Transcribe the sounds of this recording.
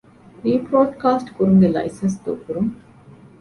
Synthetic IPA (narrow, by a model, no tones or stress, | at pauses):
ɾiːpɾoːɖkaːsʈkuɾuŋɡelɐ̰jisɐnsd̪o̰ːkuɾuŋ